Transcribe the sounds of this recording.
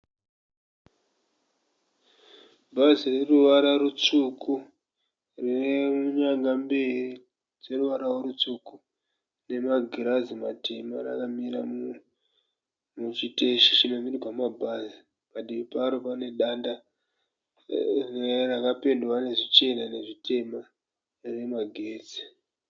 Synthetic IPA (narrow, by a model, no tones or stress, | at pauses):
bʱazireruʋaɾarut͡suku | rinemuɲaŋɡamberi | d͡ze̞ruʋaɾaworut͡suku | ne̞maɡʱiɾazimatemaɾa̰kamiɾa | mut͡ʃiteʃi̥t͡ʃimamirwamabʱazi | kaɗiipaɾopane̞ɗanda | rerakape̞ndwane̞ʐit͡ʃe̞nane̞ʐite̞ma | re̞maɡʱe̞ːd͡zi̥